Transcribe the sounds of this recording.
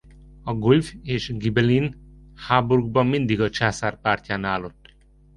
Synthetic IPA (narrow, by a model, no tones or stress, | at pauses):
ɒɡulveːʃɡibɛlin | haːbuɾuɡ̚bɒmːind̪iɡɒt͡ʃaːsaːrpaːrcaːnaːlːot̪ː